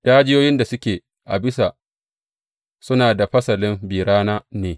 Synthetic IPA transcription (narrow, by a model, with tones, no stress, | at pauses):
d̥aː˦d͡ʒɪ˦joː˦jɪ˦nda˨sʊ˦kʲeː˨ | ʔa̰˨bɪ˦sa˨ | sʊ˦naː˨da˨ɸɐ˦sɐ˨lɪ˦mbiː˨ɾaː˦naː˦neː˨